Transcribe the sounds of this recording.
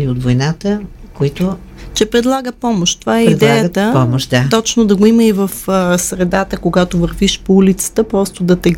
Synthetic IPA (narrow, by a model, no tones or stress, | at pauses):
liod̪vojnat̪əkoit̪o | t͡ʃɛpɾɛd̪lˠaɡəpɔmoʃt̪t̪ːovaɛɾiɛd̪ɛjət̪əpɔmoʃd̪at̪ɔt͡ʃnod̪ɐɡoiməivəfsɾɛd̪at̪əkoɡat̪ovəɾviʃpoulit̪sə̥t̪əpɾɔst̪od̪ɐt̪ɛ